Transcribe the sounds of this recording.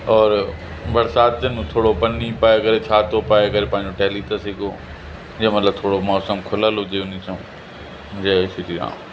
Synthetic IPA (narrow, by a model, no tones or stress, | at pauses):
ɔːɾ | bɐɾsaːt̪eñt̪ʰoːɽopɐnːipaːekɐɾet͡ʃʰaːt̪opaːekɐɾepãːɪ̃ɲd͡ʑoʈɛːlit̪ɐsɪɡoː | jemɐt̪ləb̚t̪ʰoːɽomɔːsəmkʰʊlalod͡ʒeʊnisõ | d͡ʒeːsɪɾiɾã̰ː